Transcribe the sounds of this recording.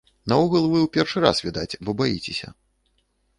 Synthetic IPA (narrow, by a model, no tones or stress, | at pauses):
nauɣɐlˠvɨwpʲɛrʂɨɾa̰svʲid̪at͡sʲbɔbajit͡sʲesʲɐ̰